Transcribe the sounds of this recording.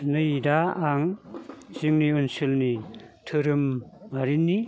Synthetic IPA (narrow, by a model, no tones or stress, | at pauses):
nɯjdaaŋ | ziŋniunsilnitʰɯɾɯmːaɾinːi